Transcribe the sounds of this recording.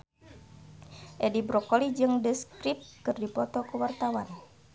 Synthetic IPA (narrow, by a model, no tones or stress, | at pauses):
ʔɛdibɾɔkolid͡ʒɨŋdəskɾip̚kɨrdipɔt̪ɔkuwart̪awan